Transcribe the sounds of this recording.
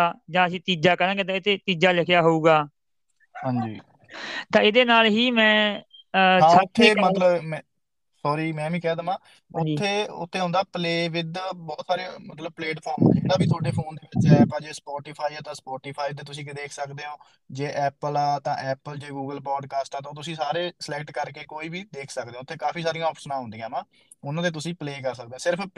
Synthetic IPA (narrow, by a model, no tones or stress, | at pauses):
aːd͡ʒãːəsĩːt̪iːd͡ʒaːkənãːɡet̪ãːɪt̪ʰeːt̪iːd͡ʒaːlɪkʰɪjaːɦouːɡaː | ɦãːɲd͡ʒḭː | t̪ãːɪd̪eːnaːlɦiːmɛ̃ː | saʊt̪ʰːeːmət̪ləbmɛ̃ | sɔːɾiːmɛ̃ːʋĩːkɛːd̪aːmãː | ʊd͡ʒ̪iːeːʊ̰t̪ʰːeːɦʊ̃ːnd̪aːpəleːʋɪd̪bɔːt̪saːɾeːmət̪ləb̚pleːʈpʰɔːɾm̰ẽaːbiːt̪ʰaːɖeːpʰoːnd̪eːʋɪt͡ʃɛːpaːd͡ʒeːspɔːʈiːpʰaːiːɛːt̪ãːspɔːʈiːpʰaːiːt̪̬eːt̪ʊs̬ĩːkɪd̪eːkʰsəkd̪eːɦõː | d͡ʒeːʔɛːpəlaːt̪ã̰ːʔɛːpəld͡ʒeːɡuːɡəlpɔːɖkaːsʈaːt̪ãːt̪ʊsĩːsaːɾeːsəlɛkʈkəɾkeːkoːiːbiːd̪eːkʰsəkd̪ẽːʊt̪ʰːeːkaːpiːsaːɾĩjãːɔːpʃənãːɦʊ̃nd̪ĩjãːmãː | ʊnãːt̪eːt̪̬ʊsĩːpleːkəɾsək̚d̪eːãːsɪɾəpʰ